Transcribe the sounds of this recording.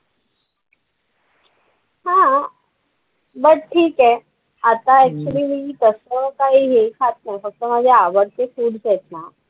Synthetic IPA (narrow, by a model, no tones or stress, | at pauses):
ɦã | bəʈ̚ʈʰiːkɦɛ | at̪aɛk̚t͡ɕuliːmit̪əsəkaɦiːɦekʰat̪̚ʰnajfək̚t̪ɔm̤ad͡ʑʱeaʋəɽt̪efuːɽd͡zɛt̪na